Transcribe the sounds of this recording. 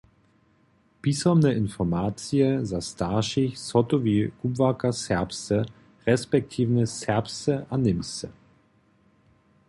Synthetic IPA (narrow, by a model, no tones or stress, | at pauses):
b̥isɔmnəʔɪnfɔɐmaːt͡siəzastaːʃɪçsɔtoviːɡ̥ubvakɐsɛɐpstə | ʁɛspɛk̚tʰiːvnəsɛɐpstəʔanɪmstə